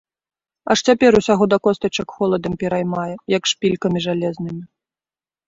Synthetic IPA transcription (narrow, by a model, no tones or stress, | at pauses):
ɐ̰ʂt͡sʲapʲɛɾusʲaɣɔd̪ɐkɔst̪ɐt͡ʂɐkxɔlˠɐd̪ɐmpʲɛɾajmajɛjɐkʂpʲilʲkɐmʲiʐalʲɛznɨmʲi